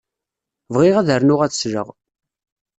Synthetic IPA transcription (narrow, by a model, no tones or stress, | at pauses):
vʁɪʁæðəɾnʊʁæt͡sə̥sɾə̰ʁ